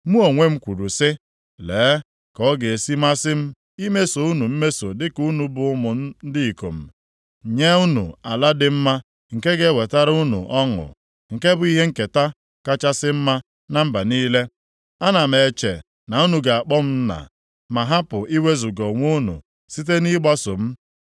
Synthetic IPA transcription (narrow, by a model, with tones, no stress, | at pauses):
mu˦o˨ŋʷe˦m̩˦kʷu˨ɾu˨sɪ˦ | leː˨˦ | kɔ˦ɡe˨e˨si˦ma˦sɪ˦m̩˦ | i˦me˦so˨u˦nu˨m̩˦me˦so˨dɪ˦ku˦nu˨bʊ˨ʊ˦mʊ˨n̩˦n̩˦dɪ˦i˨ko̰˨m̩˨ | ɲe˦u˦nṵ˨a˨la˦dɪ˦m̩˦ma˦ | ŋ̩˨ke˦ɡe˦we˨ta˦ɾu˦nṵ˨ʔɔ˦ŋʊ̰˨ | ŋ̩˨ke˦bʊ˨˦i˦ɦe˦ŋ̩˦˨ke˨ta˦ | ka˦t͡ʃa˦sɪ˦m̩˦ma˦ | na˨m̩˦ba˨niː˦le˦ | a˦na˨m̩e˨t͡ʃḛ˨ | na˨u˦nu˨ɡa˨a˨k͡pɔ˦m̩˦na̰˨ | ma˨ɦa˦pʊ˨ʔi˦we˦zʊ˨ɡɔ˨ŋʷu˦nṵ˨ | si˦t̬e˦ni˦ɡ͡ba˦so̰˨m̩˦